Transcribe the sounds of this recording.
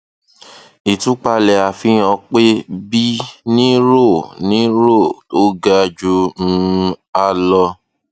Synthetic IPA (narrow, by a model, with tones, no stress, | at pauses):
i˨tũ˨˦k͡pa˧lɛ˨a˨fĩ˨˦ɔ̃˧k͡pe˦bi˦nĩ˦ɾo˦˨nĩ˦ɾɾo˦˨o˦ɡa˦˧d͡ʒu˧ñ̩˧˦a˧lɔ˧